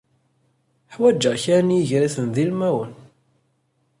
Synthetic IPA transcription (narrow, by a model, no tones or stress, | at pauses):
ħwæd͡ʒːəʁçænjiʝɾæθənðilmæwən